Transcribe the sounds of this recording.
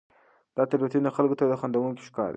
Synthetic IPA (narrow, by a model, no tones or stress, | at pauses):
d̪̥ɑt̪aɾbat̪ind̪axalɡot̪ad̪əxand̪awunko̥ʃkɑ̰ɾd̪